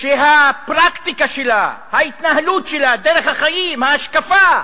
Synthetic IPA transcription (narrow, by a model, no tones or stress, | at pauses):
ʃeɦapʁakt̪ikaʃelahait̪naɦalutʃelad̪eʁeχhaχajimhaːʃkafa